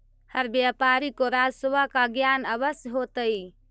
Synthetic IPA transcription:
həɾbjapaɾikoɾad͡ʒsəʋakaɡjanəbəsjəɦot̪əi

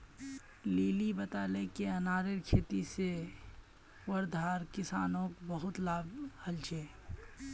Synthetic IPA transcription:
liːlibət̪aːlekeənaːɾɪɾkʰeːt̪ise | wəɾd̪ʱaːɾkɪsaːnõkbəɦʊt̪laːbhəlt͡ʃʰeː

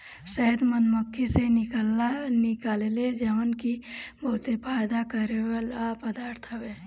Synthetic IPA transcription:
ʃəɦd̪mənməkʰːisenɪklnɪkaːleled͡ʒəʋənkibəɦʊt̪sepʰaːd̪akəɾewlapəd̪aːɾt̪ʰəbeː

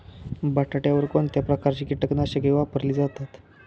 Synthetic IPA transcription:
baʈʰaʈjaʋəɾkoɳt̪japɾəkaɾt͡ɕiːkiʈəknaɕəɡeʋapəɾliːd͡zat̪at̪

